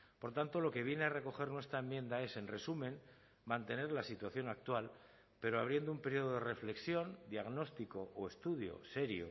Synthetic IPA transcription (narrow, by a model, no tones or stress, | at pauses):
po̞ɾt̪ant̪o̞lo̞ke̞β̞je̞neare̞ko̞xe̞ɾnwest̪ɾaemːjẽ̞nd̪ae̞se̞nre̞sumẽ̞n | mãnt̪e̞ne̞ɾlasit̪waθjo̞nak̚t̪wal | pe̞ɾoaβ̞ɾje̞nd̪oumpeɾjio̞ð̞oð̞ere̞fle̞ksjo̞nd̪jaɣno̞st̪iko̞ʔoe̞st̪uðjo̰se̞ɾjo̰